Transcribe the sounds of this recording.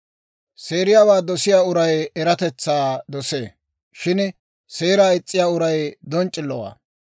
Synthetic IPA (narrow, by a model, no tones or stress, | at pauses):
se̞ːɾɪjaːwaːd̪ɔsɪjaːʊɾɐjɛɾɐt̪ɛt͡sːaːd̪ɔseː | ʃɪn | se̞ːɾaːɪt͡sʼːɪjaːʊɾɐjd̪ɔnt͡ʃʼːɪlːɔwa̰ː